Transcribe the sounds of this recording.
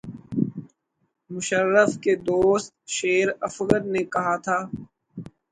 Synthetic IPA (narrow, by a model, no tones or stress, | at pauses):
mʊʃəɾːəfked̪oːst̪̚ʃeːɾɐfɣəɾnekɐɦat̪ʰaː